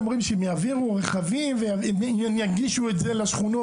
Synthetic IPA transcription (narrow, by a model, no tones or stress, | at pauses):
mʁimʃeemjaːviʁuʁeχavimveja | m | njaɡiʃuetzelaʃχuno